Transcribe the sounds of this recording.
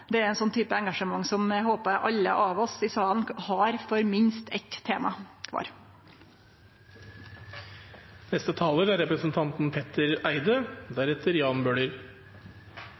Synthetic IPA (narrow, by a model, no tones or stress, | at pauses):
d̪ɛæɾɛnsɔnːt̪ʰyːpəɛŋɡɑʂəmɑŋːsɔmɦoːpəæʔɑlːə̰ʔɑʋɔsɪsɑːənhɑːɾfɔɾmɪnst̪ʰɛt̪t̪ʰeːmɑkʰʋɑ̰ːɾ | nɛst̪ət̪ʰɑːləɾæɾɛpɾəsnt̪ʰɑnt̪npʰɛt̪əɾæɪd̪əd̪æɾɛt̪ʰəɾjɑːnbøːɽəɾ